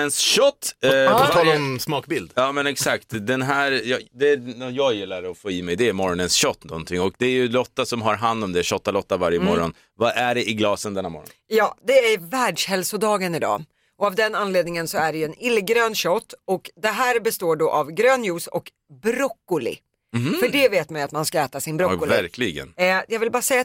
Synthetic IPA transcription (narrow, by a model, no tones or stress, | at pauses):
ənsɕɔt̪ːaɾənsmɑːkbɪld̪ɑːmɛnɛksak̚t̪d̪ɛnɦæːɾjɑd̪ɛjɑːɡjɪlːaɾɔfoːiːmɛjd̪ɛːmɔɾɔnənsɕɔt̪ːnɔ̰nt̪ʰɪŋːɔkd̪ɛæɾjɵlɔt̪ːasɔmɦaɾɦand̪ɔmd̪ɛɕɔt̪ːalɔt̪ːavaɾjəmɔɾɔn | vaʔæɖɛʔɪɡlɑːsənd̪ɛnːa̰ːmɔ̰ɾɔnjɑːd̪ɛæɾvæːɖʂhɛlsʊd̪ɑːɡənɪd̪ɑ̰ː | ʔɔavd̪ɛnːanleːd̪nɪŋənsɔæɖɛjɵɛnɪlːɡɾøːnɕɔt̪ːɔkd̪ɛɦæːɾbɛst̪oːɖɔːʔavɡɾøːnjuːsɔk | bɾɔkːʊlɪ̰ | fœɖɛveːt̪majat̪manskaɛːt̪asɪnbɾɔʊlvæɾklɪɡə̰njɑːɡvɪlbɑːɾasɛjːa